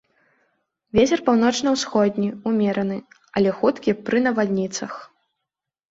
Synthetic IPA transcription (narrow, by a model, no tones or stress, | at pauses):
vʲet͡sʲɛrpawn̪ɔt͡ʂnɐwsxɔd̪ʲnʲiumʲɛɾɐnɨ | ɐlʲɛxut̪kʲipɾɨnɐvad̪ʲnʲit̪sɐx